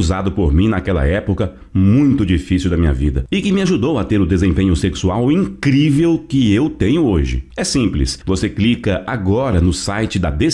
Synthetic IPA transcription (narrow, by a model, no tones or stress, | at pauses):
zad̪ʊpoɾmĩnakɛlɐ̰ɛpokɐ | mũj̃t̪ʊd͡ʒifisiwd̪ɐmĩɲɐ̰vid̪ɐɪkɪmɪaʒud̪owɐt̪eɾʊd̪ezẽpẽɲʊseksuawĩŋkɾivewkɪewt̪ẽɲʊoʒɪ̰ɛsĩplɪ̰svoseklikɐʔaɡɔɾɐnʊsajt͡ʃɪd̪ɐd̪e